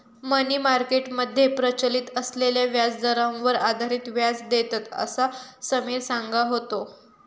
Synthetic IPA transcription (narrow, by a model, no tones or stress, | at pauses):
məniːmaɾkeʈməd̪ʱːjepɾət͡ɕəliːt̪əsleljaʋjad͡zd̪əɾãʋəɾad̪ʱaɾiːt̪ʋjad͡zd̪et̪at̪ə̰sasəmeːɾsãŋɡaɦot̪o